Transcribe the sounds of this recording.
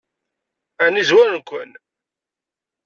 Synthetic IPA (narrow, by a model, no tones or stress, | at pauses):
ænizwæɾnkʷən